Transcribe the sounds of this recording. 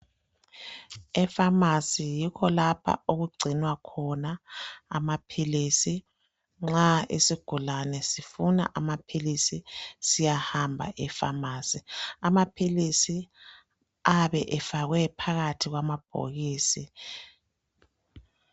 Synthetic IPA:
ɛfamasijikʰɔlapʰa̰oɣuɡ͡ǀʱinwakʰɔna̰ːmapʰilisi | ŋ͡ǁaḭsiɡ̥ʱulanɛsifuna̰ʔamapʰilisisijahambʱa̰ʔɛfamaːsiamapʰilisi | aβɛʔɛfaɣwɛpʰaɣatʰiɣwamab̥ʱo̰ɣiːsi

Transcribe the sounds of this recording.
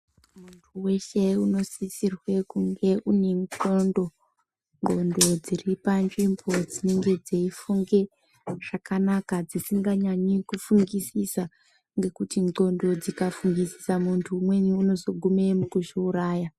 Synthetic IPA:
muntʰuwe̞ʃe̞uno̞sisirwe̞kuŋɡe̞ʔune̞ŋǃondo̞ | ŋɡo̞ndo̞d͡ziripand͡ʒimbod͡zine̞ŋɡe̞d͡zeifuŋɡe̞ | ʐ̥akanakad͡zisiŋɡaɲaɲikufuŋɡisisa | ŋɡe̞kutiŋŋ͡ǃo̞ndo̞d͡zikafuŋɡisi̥samuntʰuːmwe̞ɲiuno̞zo̞ɡʱume̞mukuʃiuɾaːja

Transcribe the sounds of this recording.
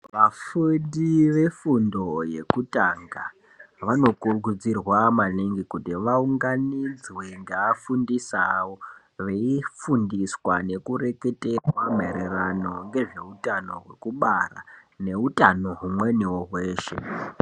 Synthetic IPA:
ʋafuɗiʋe̞fundo̞je̞̰kutaŋɡa | ʋano̞kuruɡud͡zirwamaniŋɡikutiʋauŋɡanid͡zweŋɡaːfundisawo̞ | ʋeifundiswane̞kuɾe̞ke̞te̞rwam̤ḛɾerano̞ŋɡe̞ʐe̞utano̞̰ɦwe̞̰kuɓara̰ne̞utʼano̞ɦumwe̞niwoɦwe̞ːʃḛ

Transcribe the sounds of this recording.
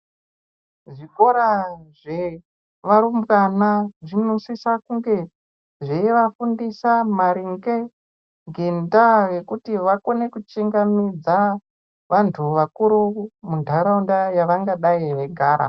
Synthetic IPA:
ʐiko̞ɾaʐe | ʋaɾumbwanaʐinusisakuŋɡe̞ | ʐeiʋafundisamaɾiŋɡe | ŋɡendajekutiʋako̞ne̞kut͡ʃiŋɡamid͡za | ʋantʰuʋakuɾumundʱaɾaundajaʋaŋɡaɗaiʋe̞ɡʱaːɾa̰

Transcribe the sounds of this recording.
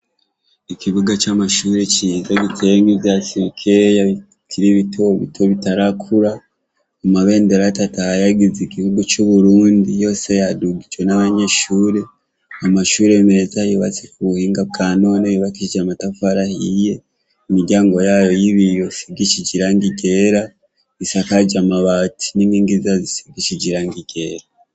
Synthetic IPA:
ikʰiβuɡat͡ʃamaʃuːɾe̞t͡ʃizaɡitʰeŋɡizjasiɾikʰeja | kʰiɾiβitʰoβḭtʰo̞βitaɾakʰuɾa | amaβe̞ːndeɾatatahajaɡizikiβuɡut͡ʃuβuɾuːndijo̞ːse̞jaduɡid͡ʒwe̞naβaɲe̞ʃuːɾe̞ | amaʃuːɾe̞me̞zajuβa̰t͡sekuβuhiːŋɡab̚ɡaːno̞ːnejiβakid͡ʒamatafaɾahije̞ | imiɾɟaːŋɡo̞jaːjo̞jiβijo̞sibɡit͡ʃid͡ʒiɾaŋɡiɡe̞ːɾa | isakad͡ʒamaβatʰi̥niniːŋɡizazisiɡit͡ʃid͡ʒiɾaŋɡiɡ̥e̞ːɾa

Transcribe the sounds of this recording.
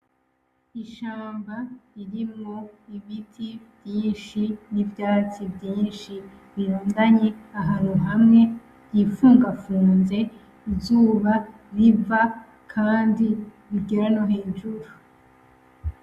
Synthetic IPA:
iʃaːmbaiɾimŋo̞iβitʰivjiːnʃinivjaːt͡sivjiːnʃi | βiɾoːndaɲe̞aɦaɾoɦamŋe̞ | ɟifuːŋɡafuːnze̞ | izuːβa | ɾiva | kʰaːndi | βiɡeɾanoɦeːnʒuɾu

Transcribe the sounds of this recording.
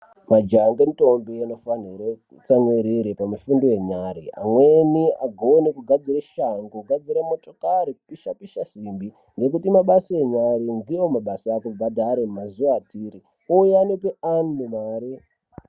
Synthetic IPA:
mad͡ʒaŋɡenito̞mbienofaniɾe | t͡samweɾiɾepamufundoje̞ɲaɾḭa̰mwenia̰ɡʱonekuɡʱad͡ziɾeʃaŋɡoɡʱad͡ziɾemo̞to̞kaɾiku̥piʃapiʃasimbi | ŋɡe̞k̬utimaɓasieɲaɾindijomaɓasaːkubʱadʱaɾemmazuʋaːtiːɾi | ojanopeanmumaːɾi

